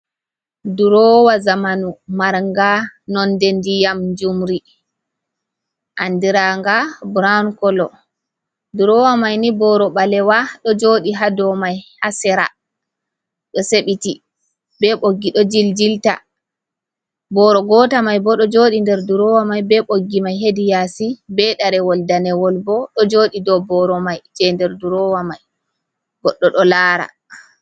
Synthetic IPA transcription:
duɾɔwazamanumaɾŋɡanɔndɛndijamd͡ʒumɾi | ʔandiɾaŋɡabɾankɔlɔ | duɾɔwamajnibɔɾɔɓalɛwaɗɔd͡ʒoɗiɦadɔmajhasɛɾa̰ | ɗɔseɓiti | bɛɓoɡːiɗɔd͡ʒild͡ʒilta̰ | bɔɾɔɡɔːtamajbɔɗɔd͡ʒoɗindɛɾduɾɔwamajbɛɓoɡːimajɦedijasibɛɗaɾɛwɔldanɛwɔlbɔɗɔd͡ʒoːɗidɔbɔɾɔmajd͡ʒɛndɛɾduɾɔwamaj | ɡɔɗːɔɗɔlaɾa̰

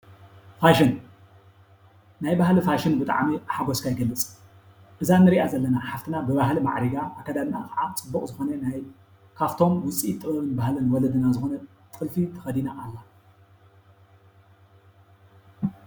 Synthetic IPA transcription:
faʃɪn | najbahlifaʃɪnbɨt̪ʼa̰ʕmiħaɡoskʰajɡɐlːɨt͡sʼ | ʔɨzanːɨɾiʔazɐlːɐnaħaft̪ʰinabɨβahlima̰ʕɾiɡaʔakʰːɐd̪amna̰kɐʕat͡sʼɨbːuχʼzɨxonɐnaj | kʰaft̪ʰo̞mwʊt͡sʼit̪ʼːɨβɐβɨnbahlɨnwɔlɐd̪ɨnazɨxonɐ | t̪ʼɨlfit̪ʰɐ̥xɐd̪inaʔːlːa

